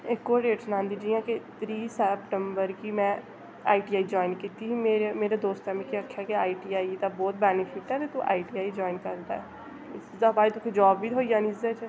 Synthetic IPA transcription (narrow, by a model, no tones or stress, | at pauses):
ɪkːoːɾɖeːʈsnãːnd̪iːd͡ʒiːãːket̪ɾiːsɛpʈəmbəɾkimɛ̃ː | a̰ːiʈiːaːid͡ʒɔːɪnkiːt̪iɦimeːɾemeːɾeːd̪oːst̪amẽkiəkʰːjakeaːiʈiːaːid̪abɔːt̪̚bɛːnɪfʰɪʈɛt̪et̪ũʔa̰ːiʈiːaːid͡ʒɔːɪnkəɾd̪a̰ːɛ | ɪszd̪aːbaːit̪ʊkʰed͡ʒɔːbːiːt̪ɦoːijãːnizd̪eːt͡ʃ